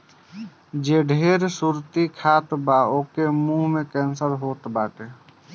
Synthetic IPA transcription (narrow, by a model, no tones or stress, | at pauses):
d͡ʒeɖʱeːɾsuɾt̪ikʰaːt̪baoːkemũɦmekɛ̃ːnsəɾɦoːt̪baːʈe